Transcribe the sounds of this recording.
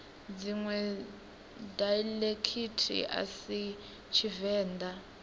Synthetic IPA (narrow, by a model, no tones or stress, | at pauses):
d͡ziŋwɛ | dajlekʰitʰḭa̰si | t͡ʃʰivɛːndʱa